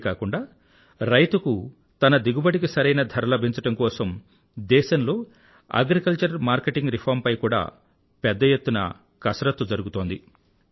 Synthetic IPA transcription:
kaːkuɳɖaː | ɾɐjt̪uku | t̪ɐnɐd̪iɡubɐɽikisɐɾɐjnɐd̪ʱɐɾɐlɐbʱiɲt͡ʃɐʈɐmkɔːsɐm | d̪ɛːʃɐmlo̞ː | ɐ̰ɡɾikɐlt͡ʃɐɾmaːɾkeʈiŋɡɾipʰaːɾmpɐjkuːɽa̰ː | pɛd̪ːɐjet̪ːunɐ̰ | kɐsɾɐt̪ːud͡ʒɐɾuɡut̪oːnd̪i

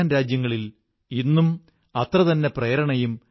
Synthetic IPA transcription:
nɾaːd͡ʑjɐŋːɐɭil | inːum | ɐt̪rɐðɐnːe̞prejɾɐɳɐjum

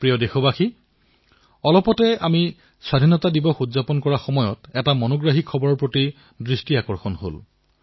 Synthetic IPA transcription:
pɹijɔdexɔbaxi | ɔlɔpɔtɛami | swadʱinɔtadibɔxudzapɔnkɔɹaxɔmɔjɔtɛtamɔnɔɡɹaɦikʰːɔbɔɹɔɹpɹoti | dɹistiakɔɹxɔnho̰l

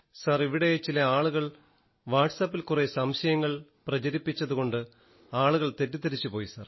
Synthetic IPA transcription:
sɐriʋiɽejet͡ɕilɐaːɭuɣɐɭ | ʋaːʈsɐpːilkuresɐmɕɐjɐŋːɐɭprɐt͡ɕɐɾipːit͡ɕːɐðuɣo̞ɳɖɨ | aːɭuɣɐɭt̪e̞tːut̪ːɐɾit͡ɕːupo̞ːjisɐr

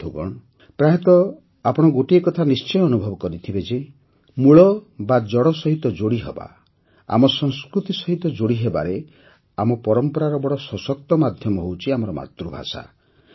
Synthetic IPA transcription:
d̪ʱuɡɔ̰ɽ | pɾaɦit̪ɔ | apɔɽ̃ɔɡoʈiekɔt̪ʰanist͡ʃɔ̃ɔnubʱɔbɔkɔɾit̪ʰibed͡ʒe | muɭɔbad͡ʒɔɽɔsɔɦit̪ɔd͡ʒoɽiɦeba̰ | a̰mɔsɔŋskɾut̪isɔɦit̪ɔd͡ʒoɽiɦeba̰ɾe | amɔpɔɾɔmpɔɾaɾɔbɔɽɔsɔsɔk̚t̪ɔmad̪ʱjɔmɔɦowt͡ʃʰiamɔɾɔma̰t̪ɾubʱa̰sa̰

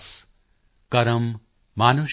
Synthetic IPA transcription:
s | kɐɾɐmː | aːnuʃ

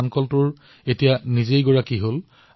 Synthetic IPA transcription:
ankɔltʊɹ | etijanizejɡoɹakiɦol

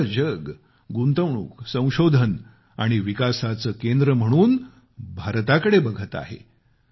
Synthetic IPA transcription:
d͡ʑəɡ | ɡunt̪əʋɳṵːksə̃w̃ɕod̪ʱən | aɽ̃iʋikasat͡səːkend̪ɾəm̤əɽ̃uːn | bʱaɾt̪akəɽebəɡʱət̪a̰ɦḛ

